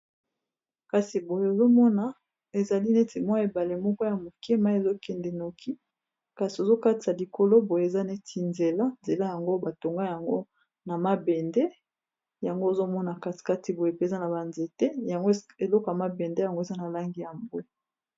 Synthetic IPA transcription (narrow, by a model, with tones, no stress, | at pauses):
ka˨si˨bo˨je˨o˨zo˦mɔ˦na˨ | e˨za˨li˦ne˦ti˨mwa˦e˨ba˨le˨mɔ˦kɔ˦ja˨mo˨ke˦ma˦e˨zo˦kɛ˨ndɛ˨no˨ki˦ | ka˨si˨o˨zo˦ka˦ti˨a˨li˨ko˨lo˦bo˨je˨e˨za˦ne˦tʰi˨nze˨la˦nze˨la˦ja˨ŋɡo˦ba˨to˨ŋɡa˦ja˨ŋɡo˦ | na˨ma˦bɛ˨nde˦ | ja˨ŋɡo˦e˨zo˦mɔ˦na˨kḁ˨ka˦ti˨bo˨je˨pe˨za˦na˨ba˨nze˨tɛ˦ja˨ŋɡo˦e˨lɔ˦ko˨a˨ma˨be˨nde˦ja˨ŋɡo˦e˨za˦na˨la˦ŋɡi˦˨ja˨mbwe˦